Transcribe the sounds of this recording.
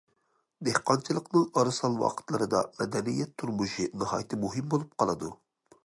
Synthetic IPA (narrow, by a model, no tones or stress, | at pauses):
d̪ehqɑnt͡ʃʰilˠəqnɨŋɑɾɨsɑlˠwɑ̰qʰə̥t̪lˠɨɾɨd̪ɑ̰mɛd̪ɛnijːɛt̪ʰːuɾmuʃinɨhɑjt̪ʰɨmuɦɪmbolˠup̚qʰɑlˠɨd̪u